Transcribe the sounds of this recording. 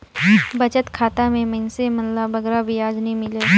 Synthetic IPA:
bɐt͡ʃət̪kʰaːt̪amẽmə̃nsemənlabəɡɾabʱijaːd͡ʒnĩmɪle

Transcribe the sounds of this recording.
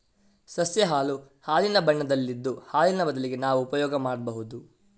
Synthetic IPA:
sɐsjɐɦaːlu | haːlinɐbɐɳːɐd̪ɐlːid̪ːuhaːlinɐbɐd̪ɐliɡe̞naːʋuːpɐjɔːɡɐmaːɽbɐɦud̪u

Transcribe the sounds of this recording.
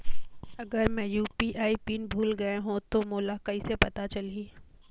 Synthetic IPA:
ɐɡəɾmɛ̃ːjuːpiʔaːipiːnbʱuːlɡɐeɦũt̪omoːlakɐisepɐt̪at͡ʃɐliː

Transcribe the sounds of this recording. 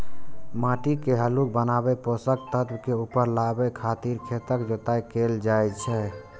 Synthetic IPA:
maʈikeɦəluk̚bənabɛposək̚t̪ət̪bkeupəɾlabɛkʰat̪iɾkʰet̪əkd͡ʒot̪ajkeld͡ʒajt͡ʃʰɛ

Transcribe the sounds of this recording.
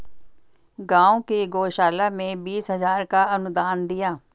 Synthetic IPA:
ɡãːõːkiːɡoːʃaːlaːmẽːbiːsɦəzaːɾkaːənʊd̪aːnd̪ɪjaː

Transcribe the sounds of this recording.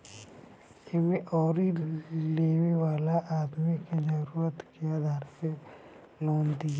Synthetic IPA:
kemẽʔɔːɾileːʋewaːlaʔaːd̪mikid͡ʒɐɾuːɾət̪kiaːd̪ʱaːɾse | loːnd̪i

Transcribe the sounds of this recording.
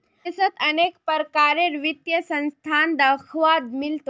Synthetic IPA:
sət̪ənekpəɾkaɾeɾʋit̪jəsə̃nst̪ʰand̪əkʰʋad̪milt̪o

